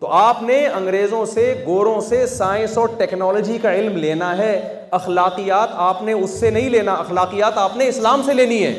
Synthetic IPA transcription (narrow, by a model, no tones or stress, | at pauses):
t̪oːaːpneɐ̃ŋɡɾeːzõseɡoːɾõsesaːɪ̃nsoʈɛːknɔːlɔːd͡ʒikaɪlmleːnaɦɛː | ɐxlaːqijaːt̪aːpneʊsːenɐɦĩleːnaɐxlaːqijaːt̪aːpneɪslaːmseleːniɦɛ̰ː